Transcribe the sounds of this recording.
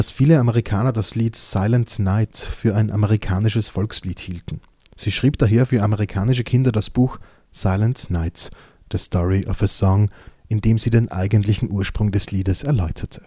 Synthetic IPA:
d̥asfiːləaməʁikʰaːnɐdasliːtsaɪləntnaɪtfyːɐaɪnʔaməʁikʰaːnɪʃəsfɔlksliːthiːltn̩ | z̥iːʃʁ̥iːpd̥aɦeːɐfyːɐaməʁikʰaːnɪʃ̬əkʰɪndɐdasb̥uːx | saɪləntnaɪt | d̥əstʰɔʁiʔɔfəsɔŋʔɪndeːmziːdenʔa̰ɪɡəntlɪçn̩ʔuːɐʃpʁ̥ʊŋdɛsliːdəsɛɐlɔʏtʰɐtʰə̥

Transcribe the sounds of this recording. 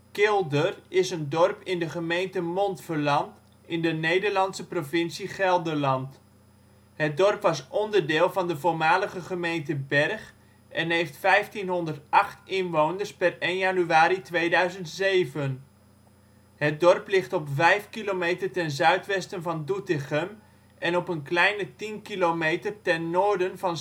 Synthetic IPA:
kɪlˠdərɪsəndɔrpɪndəχəmejntəmɔntfərlɑnt | ɪndənejdərlɑntsəprovɪnsiχɛlˠdəlɑnt | hət̚dɔrpʋɑsʔɔndərdɪːlˠvɑndəvoɹmaːləχəχəmejntəbɛrχ | ʔɛnɦejftfɛjftinɦɔndərtɑχtɪnʋownərspɛrejnjanyaːɾitʋejdœɥzəntsejvən | ɦət̚dɔrplɪχtɔpvɛjfkilomejtərtɛnzœɥtʋɛstənvɑndutɪχəm | ʔɛnɔpənklɛjnətinkilomejtərtɛnːoːɹdənvɑn

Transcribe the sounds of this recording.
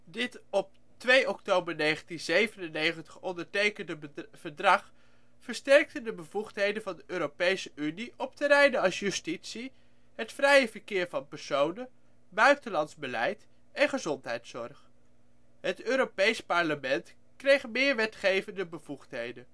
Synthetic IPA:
dɪtɔp̚ | tʋejʔɔktowbəɹnejχəntinzejvənənejχəntəχɔndəɹtejkəndəv̥əɹdrɑχ | fəɹstɛɹk̚təndəbəvuχtɦejdənvɑndəʔøːɾopejsəʔyniʔɔp̚təɾɛjnəɑlˠsjystitsi | ɦətfrɛjəvəɹkɪːɹvɑnpɛɹsownə | bœɥtəlɑnzbəlɛ̰jt | ɛnχəzɔntɦɛjtsɔ̰ɹχ | ɦətøːɾopejspɑɹləmɛnt | krejχmɪːɹʋɛtχejvəndəbəv̥uχtɦejdən

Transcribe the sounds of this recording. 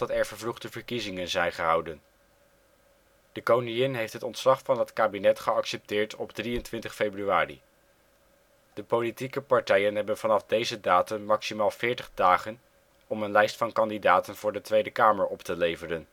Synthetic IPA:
ɑtɛɹvəɹvluχtəvəɹkizɪŋənzɛjnχəɦɑwdən | d̥əkownɪjɪnɦejftɦətɔntslɑχfɑnɦətkaːbinɛtχəɑksɛp̚tɪːɹtʰɔbdriəntʋɪntəχfejbryaːrḭ | d̥əpolitikəpɑɹtɛjənɦɛbənvɑnɑvdejzədaːtənmɑksimaːlˠvɪːɹtəχdaːχən | ɔmənlɛjstfɑnkɑndidaːtənvʊːɹdətʋejdəkaːməɹɔptəlejvərən

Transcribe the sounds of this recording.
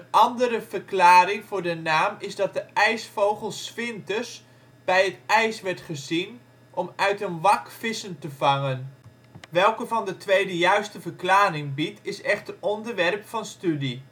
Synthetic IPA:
ənʔɑndəɾəv̥ərklaːɾɪŋvʊːɹdənaːmɪzdɑt̚dəɛjsfowχəlˠsfɪntəs | b̥ɛjətɛjsʋɛɹtχəzin | ʔɔmœɥtənʋɑkfɪsəntəvɑŋən | ʋɛlˠkəvɑndətʰʋejdəjœɥstəvərklaːɾɪŋbitɪsɛχtəɔndərʋɛrpfɑnstydi

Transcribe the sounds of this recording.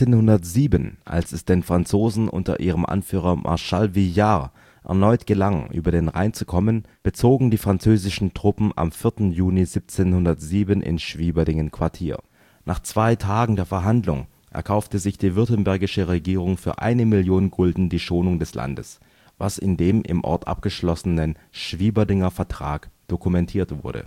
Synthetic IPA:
eːnhʊndɐtz̥iːbənʔa̰lsɛsd̥eːnfʁ̥ant͡soːzn̩ʔʊ̰ntɐ̰ʔiːʁ̞əmʔa̰nfyːʁɐmʔa̰ɐʃalvija | ʔɛ̰ɐnɔʏtɡ̥əlaŋʔy̰ːbɐdeːnʁa̰ɪnt͡sukʰɔmən | b̥ət͡soːɡŋ̩diːfʁ̥ant͡søːzɪʃn̩tʁ̥ʊpm̩a̰mfɪɐtn̩juːnizip̚t͡seːnhʊndɐtz̥iːbənʔɪ̰nʃv̥iːbɐdɪŋənkʰv̥aɐtʰiːɐ | nʔaːχt͡sv̥aɪtʰaːɡŋ̩deːɐfɛɐɦandlʊ̰ŋ | ʔɛ̰ɐkʰaʊftəzɪçd̥iːvʏɐtənbɛɐɡɪʃəʁeɡiːʁʊŋfyːɐʔa̰ɪnəmɪljoːnɡʊldn̩diːʃoːnʊŋdɛsla̰ndəs | va̰sɪ̰ndeːmʔɪ̰mʔɔ̰ɐtʔa̰p̚ɡ̥əʃlɔsənən | ʃv̥iːbɐdɪŋɐfɛɐtʁ̥a̰ːkd̥okumɛntʰiːɐtv̥ʊ̰ɐdə̰

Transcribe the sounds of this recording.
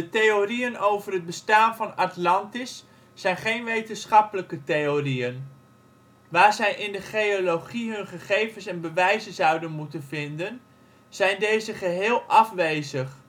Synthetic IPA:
dətejoriənowvərɦəd̚bəstaːnvɑnɑtlɑntɪsː | ɛjnχejnʋejtənsχɑpələkətejoriən | ʋaːɹzɛjʔɪndəχejoloχiɦɵnχəχejvənsɛnbəʋɛjzənzɑwdənmutənvɪndən | z̥ɛjndejzəχəɦɪːlˠʔɑfʋejzəχ

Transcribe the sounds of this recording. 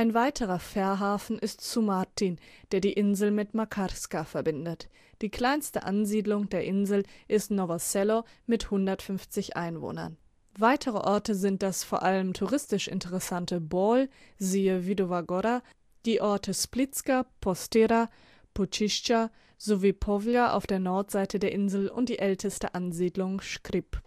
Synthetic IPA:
ʔaɪnvaɪtʰəʁ̞ɐfɛɐɦaːfn̩ɪstsumaɐtʰind̥eːɐdiːʔɪnzl̩mɪtmakʰaskafɛɐbɪndət | d̥iːkl̥aɪnstə̰ʔa̰nziːdlʊŋdeːɐʔɪnzl̩ʔɪstnovasɛlomɪthʊndɐtfʏnft͡sɪçʔa̰ɪnvo̰ːnɐ̰n | vaɪtʰəʁ̞əʔɔɐtəzɪnt̚d̥asfoːɐʔaləmtʰuʁɪstɪʃɪ̰ntəʁɛsantəbɔlziːəvidovaɡoɾa | d̥iːʔɔɐtʰəsplɪt͡skapʰɔstɛɾa | pot͡ʃɪʃt͡ʃa | zoviːpʰɔvjaʔa̰ʊfd̥eːɐnɔɐtz̥aɪtʰədeːɐʔɪnzl̩ʊ̰nt̚d̥iːʔɛltʰəstəʔanziːdlʊŋʃkʁɪp

